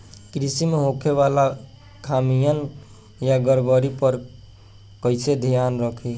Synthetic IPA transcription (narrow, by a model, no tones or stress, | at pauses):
kɾisimeɦokʰeβala | kʰamijən | jaɡəɾbəɾipəɾ | kəɪsed̪ʱijanɾəkʰi